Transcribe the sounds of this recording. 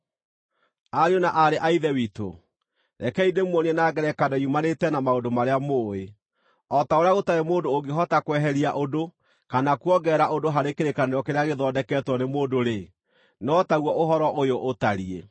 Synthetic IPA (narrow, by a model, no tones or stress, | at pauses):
aɾeonaʔaɾeʔaiðɛwito̰ | ɾɛkɛidemwɔniɛnaːɡɛɾɛkadaiumanetɛnamaodomaɾeamoːe | ɔtaoɾeaɣotaɾemoːndooɡeɦɔtakwɛɦɛɾiaʔodo | kanakwɔɡɛːɾaʔodoɦaɾekeɾekaneɾɔkeɾeaɣeðɔːdɛkɛːtwɔnemoːdoɾe | nɔtaɣwɔʔoɦɔɾɔʔojoʔːtaɾie